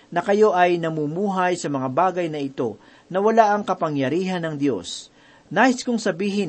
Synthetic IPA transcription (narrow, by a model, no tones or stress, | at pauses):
nɐkɐjo̞ʔɐjnɐmumuːɦɐjsɐmɐŋabaːɡɐjnɐɪt̪o̞ | nɐwɐlaʔɐŋkɐpɐŋjɐɾiːɦɐnɐŋd̪jo̞̰s | naːʔɪskʊŋsɐbiːɦɪ